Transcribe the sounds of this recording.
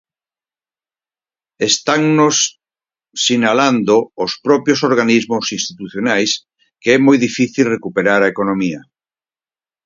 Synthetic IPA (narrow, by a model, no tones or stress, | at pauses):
est̪aŋnosː | inaland̪oːspɾɔpjosoɾɣ̞anizmosinst̪it̪uθjonajs | keɛmojðifiθilrekupeɾaɾaekonomiɐ